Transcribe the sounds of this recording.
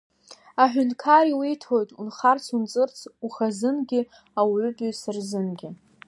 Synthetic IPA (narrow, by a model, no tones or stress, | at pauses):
aħᶣʷʊnkʰaɾiwijtʰo̞jtʼunχart͡sʰunt͡sʼɨrt͡sʰuχazɨnɡʲɪ | awʕʷʊpʼisarzɨnɡʲɪ